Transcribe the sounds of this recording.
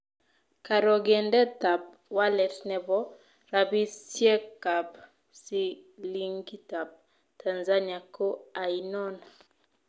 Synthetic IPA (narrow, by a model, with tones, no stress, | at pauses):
ka˨ɾɔ˨ɡe˨ndɛ˦ta˨p̚ | wa˦lɛ˨snɛ˨bɔ˦ | ɾa˨bi˦sjɛ˦ka˨p | si˦li˦ŋɡi˦ta˨p̚ | ta˨nza˦nia˨ko˦a˨i˨nɔ˦na